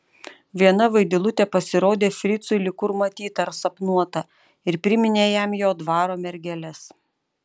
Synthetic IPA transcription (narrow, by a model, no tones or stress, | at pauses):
ʋʲiɛnɐʋɐɪd̪ʲɪlˠʊt̪ʲɛpɐsʲɪɾoːd̪ʲeːfʲɾʲɪt̪sʊɪlʲɪkʊɾmɐt̪ʲiːt̪ɐɾsɐpnuɔt̪ɐ | ɪɾpʲɾʲɪmʲɪnʲeːjɛmjoːd̪ʋɑːɾoːmʲɛɾʲɡʲɛlʲɛs